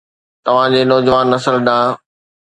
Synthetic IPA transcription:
t̪ɐʋ̤ãd͡ʑeːnɔːd͡ʑʋaːnːɐsəlɗãː

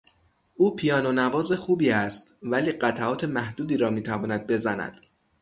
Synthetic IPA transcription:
ʔuːpʰijɒːnonævɒːze̞xuːbiːæst̪væliːɢæt̪ʰæɒːt̪ʰe̞mæhd̪uːd̪iːɾɒːmiːt̪ʰævɒːnæd̪̚be̞zænæ̰d̪̥

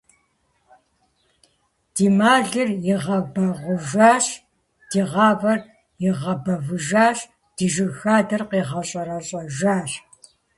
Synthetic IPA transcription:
d̥iːmaːɮɨrjɪʁɐbɐʁʷʊʒaːɕ | d̥iːʁɑːvɐr | jɪʁɐbɐvɨʒaːɕ | d̥iʒɨxaːdɐrqiːʁɐɕʼɐɾɐɕʼɐʒaːɕ

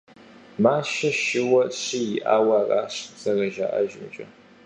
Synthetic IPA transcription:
maːʃɐʃɪwɐɕɪjɪʔaːwɐraːɕzɐrɐʒa̰ːʔɐ̰ʒɪmt͡ʃʼɐ

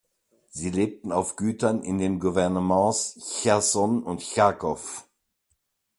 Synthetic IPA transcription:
z̥iːleːp̚tn̩aʊfɡ̥yːtɐnɪ̰ndeːnɡuvɛɐnəmɑ̃ːsçɛɐsɔnʊntçakʰɔf

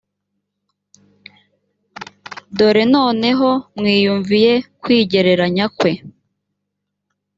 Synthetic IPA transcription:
do̞ɾe̞noːne̞ɦo̞mŋiːjuɱvije̞kwiːɟe̞ɾe̞ɾaɲakwe̞

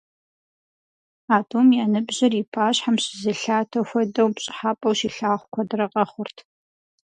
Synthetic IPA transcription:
aːtʰʼuːmjaːnɨbʑɪripʰaːɕħamɕɪzɨɬaːtʰɐxʷɐdɐwpɕʼɪ̥ħaːpʼɐwʃiɬaːχʷʊkʷʰɔdɨrɐqʼɐχʷʊrtʰ

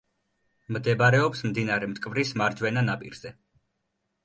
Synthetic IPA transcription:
md̪ɛbaɾɛɔpsmd̪inaɾɛmt̪ʼkʼvɾismaɾd͡ʒwɛnanapʼḭɾz̥ɛ

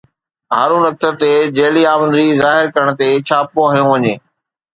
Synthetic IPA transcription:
ɦaːɾũnɐk̚t̪ət̪ed͡ʑeːliaːbə̃nd̪izaːɦɪɾkɐɾəɽ̃ət̪et͡ɕʰaːpoɐɦijũʋɐɲeː

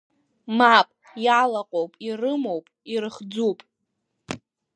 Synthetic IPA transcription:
mapʼ | jalaqʼowpʼirɨmowpʼirɨχd͡zupʼ

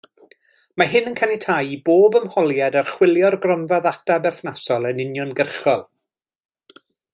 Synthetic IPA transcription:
maɦɪnənkʰanɪtʰajiboːbəmhɔlˠjadarχwɪlˠjɔrɡrɔnvaðatabɛrθnasɔlˠənɪnjɔnɡərχɔlˠ

